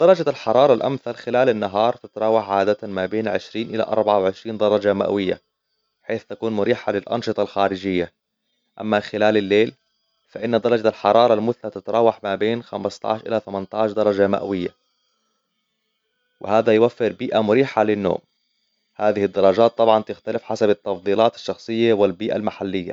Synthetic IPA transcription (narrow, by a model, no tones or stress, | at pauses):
d̪̥ɑɾˤɑd͡ʒalħɑɾˤɑːɾˤɑlʔa̰mθalxɪlaːlɪnːaɦɑːɾˤt̪ɪt̪ɾˤɑːwaħʕaːd̪at̪mabeːnʕɪʃɾiːnʔɪla̰ʔɑ̰ɾˤbaʕawʕɪʃɾiːnd̪ɑɾˤɑd͡ʒama̰ʔwɪjːa̰ | ħeːθt̪akuːnmʊɾiːħalɪlʔɑ̰nʃɨt̪ˤɑlxaːɾɪd͡ʒɪjːa | ʔa̰mːaxɪlaːlɪlːeːl | faʔɪnːad̪ɑɾˤɑd͡ʒalħɑɾˤɑːɾˤɑlmʊθnat̪ɪt̪ɾˤɑːwːɑħmabeːnxamɪst̪ˤɑ̰ʕʃʔɪ̰laθamant̪ɑʕʃd̪ɑɾˤɑd͡ʒama̰ʔwɪjːa̰ | wɪ̰haːðajwafːɪɾbiːʔamʊɾiːħalɪnːo̰ːm | haːðɪhɪd̪ːɑɾˤɑd͡ʒaːt̪ˤːɑbʕɑnt̪ɪxt̪alɪfħasabɪt̪ːɑfd̪ˤiːlɑːt̪ɪ̥ʃːɑxsˤɨjːaawɪlbiːʔa̰lmaħalːɪjːa̰